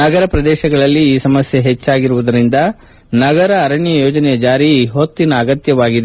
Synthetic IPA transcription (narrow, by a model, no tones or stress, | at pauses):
nɐɡɐɾɐpɾɐd̪ɛːʃɐɡɐɭɐlːiːsɐmɐsjeɦet͡ʃːaːɡiɾuʋud̪ɐɾind̪ɐ | nɐɡɐɾɐːɾɐɳjɐjoːd͡ʒɐnɛjɐd͡ʒaːɾiɦot̪ːinɐːɡɐt̪jɐʋaːɡid̪e